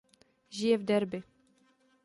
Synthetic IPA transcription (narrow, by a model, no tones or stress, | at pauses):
ʒɪjɛvd̪ɛɾbɪ